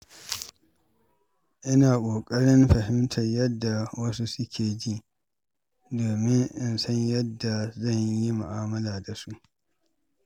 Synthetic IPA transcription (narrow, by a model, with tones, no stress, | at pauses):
ʔɪ˦naː˨kʷʼoː˨kʼɐ˦ɽɪ˦mɸɐ˨ɦɪ˦mtʰɐ˨ɲjɐ˦dːa˨wɐ˦su˦sʊ˦kʲʰeː˨d͡ʒi˦ | doː˨mɪ˦ŋʔɪ˨nsɐ˦ɲjɐ˦dːa˨zɐ˦˨ɲji˦mʊ̰˨ʔaː˦mɐ˦laː˨da˨su˦ʔ